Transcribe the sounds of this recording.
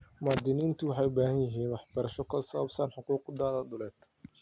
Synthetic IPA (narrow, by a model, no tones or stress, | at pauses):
maːd̪ɪniːnt̪ʰʊwɑħɑjʊbaːɦɐnjɪɦiːnwɑħbɐɾɐʃɔkʰɐsɐɐbsɐnħʊquːqd̪aːðɐd̪ʊlɛːd̪̥